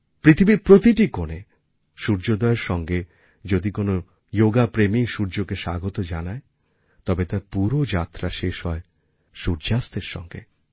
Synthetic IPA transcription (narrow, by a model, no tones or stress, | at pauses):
pɾit̪ʰibiɾpɾot̪iʈikone | ʃuɾd͡ʑod̪ɔeɾʃɔŋɡe | d͡ʑod̪ikono | joɡapɾemiʃuɾd͡ʑokeʃaɡot̪od͡ʑanae | t̪ɔbet̪aɾpuɾod͡ʑat̪ːɾaʃeʃɦɔe | ʃuɾd͡ʑast̪eɾʃɔ̰ŋɡḛ